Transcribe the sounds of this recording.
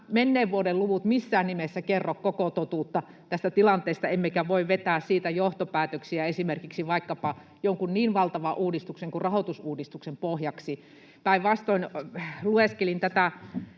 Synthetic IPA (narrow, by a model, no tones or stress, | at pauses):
menːeːʋʋuodelluʋut̪misːæːnnimesːækerːokkokot̪ot̪uːt̪ːɑ | t̪æst̪æt̪ilɑnt̪eˑːst̪ɑemːekæʋoiʋʋet̪æːssiːt̪æjoht̪opæːt̪øksiæesimerkiksiʋɑikːɑpɑ | joŋkunniːnʋɑlt̪ɑʋɑʔuːdist̪ukseŋkurrɑhot̪usuːdist̪uksempohjɑksi | pæiʋʋɑst̪oinlueskelint̪æt̪æ